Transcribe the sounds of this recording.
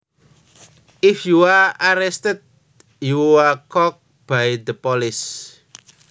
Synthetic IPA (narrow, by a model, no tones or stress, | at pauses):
ʔɪfjuaaɾɛst̪əd̪̚ | juakɔk̚ | b̥ajd̪əpɔlɪs